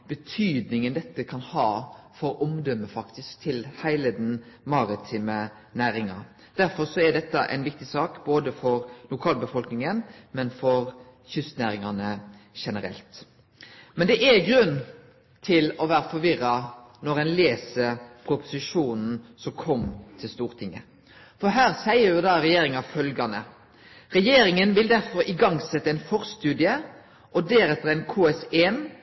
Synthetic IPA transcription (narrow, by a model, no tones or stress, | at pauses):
b̥ət̪ʰyːd̪nɪŋənd̪ɛt̪ːəkʰɑnhɑːfɔɾɔmd̪œmːəfɑkt̪ɪskt̪ʰɪlhæɪləd̪ɛnmɑɾɪt̪ʰiːmə | næːɾɪŋɑ | d̪̥æɾfɔɾsɔæd̪ɛt̪ːɑʔɛ̰ɪnʋɪk̚t̪ɪsɑːkboːd̪əfɔɾlʊkʰɑːlbəfɔlknɪŋənmɛnfɔɾçʏst̪næːɾɪŋɑnəʃɛnəɾɛ̰lt̪ | mɛnd̪ɛʔæɾɡɾʉnː | t̪ʰɪlɔʋæːɾəfɔɾʋɪʁːɑnɔɾɛnleːsəɾpʰɾʊpʊ̥sɪʂuːnn̩sɔmkʰɔmt̪ʰɪlst̪uːʁt̪ʰɪŋːə̰ | fɔɦæːʁsæɪəɾjʊd̪ɑːɾɛjeːɾɪŋɑfœlɡɑnə | ʁɛjeːɾɪŋənʋɪld̪æɾfɔɾɪɡɑŋsɛt̪ːəæɪnfɔɾst̪ʉːd̪ɪə | ʔɔd̪æɾɛt̪ːəʁæɪnkʰuːɛseːn